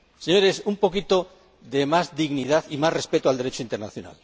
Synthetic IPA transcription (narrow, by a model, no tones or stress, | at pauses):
seɲoɾesumpokit̪o | ðemazd̪iɣniðaθimasrespet̪oald̪e̞ɾet͡ʃoint̪eɾnaθjona̰l